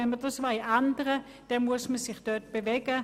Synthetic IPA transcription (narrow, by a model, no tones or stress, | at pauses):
ɛnməɐdəsʋaɪʔandəʁə | d̥ɛmuɐsməsɪχd̥øt̚b̥evɛɡə